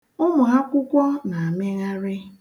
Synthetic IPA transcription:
ʊ˦mʊ˨ɦa˦kʷʊ˦kʷɔ˦na˨a˨me˦ɣa˦ɾɪ˦

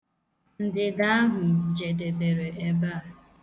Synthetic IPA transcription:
n̩˨dɪ˨da˦ɦʊ˨d͡ʒe˨de˨be˨ɾe˨ʔe˦ba˦a˨

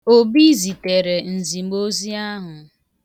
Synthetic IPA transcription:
o˦bi˦zi˨te˨ɾe˨n̩˨zi˨ɡ͡bo˦zi˦a˦ɦʊ˨

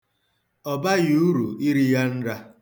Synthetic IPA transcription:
ɔ˨ba˦ɣi˨u˦ɾṵ˨i˦ɾi˦ja˦n̩˦ɾa˦

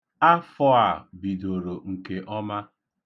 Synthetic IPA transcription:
a˦fɔ˦a˨bi˨do˨ɾo˨ŋ̩˨ke˨ʔɔ˦ma˦

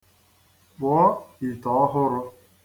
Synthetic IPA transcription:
bɔ˨˦i˨tɔ˨˦ɦʊ˦ɾʊ˦

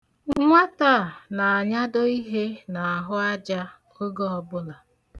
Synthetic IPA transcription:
ŋʷa˦ta˦˨na˨a˨ɲa˦dɔ˦i˦ɦe˦na˨a˨ɦʊ˦a˦d͡ʒa˦ | o˦ɡɔ˦ɔ˨bʊ˦la˨

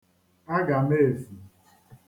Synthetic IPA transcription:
a˦ɡa˨me˦˨zi˨

